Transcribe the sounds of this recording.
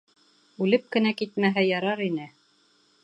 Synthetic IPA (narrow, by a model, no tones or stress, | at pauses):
ʉlɘp̚kɘ̆nækit̪̚mæɦæjɑɾɑɾinɘ